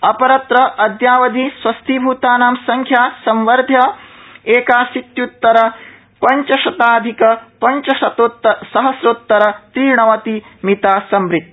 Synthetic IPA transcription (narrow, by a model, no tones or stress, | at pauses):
ɐpɐɾɐt̪ɾɐʔɐd̪jaːʋɐd̪ʱiswɐst̪ʰibʱuːt̪aːnaːmsɐŋkʰjaːsɐmʋɐɾd̪ʱjɐeːkaːsit̪jut̪ːɐɾɐ | pɐɲt͡ʃɐʃɐt̪aːd̪ʱikɐpɐɲt͡ʃɐʃɐt̪ot̪ːɐsɐɦɐsɾut̪ːɐɾɐt̪ɾiːɳɐʋɐt̪imit̪aːsɐmɾit̪̚